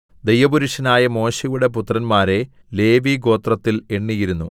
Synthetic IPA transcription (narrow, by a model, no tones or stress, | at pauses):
d̪ejʋɐbuɾuʂɐnaːjɐmo̞ːɕejuɽe̞put̪ːrɐnmaːɾe̞ | le̞ːʋiɡo̞ːt̪rɐt̪ːileɳːijiɾunːu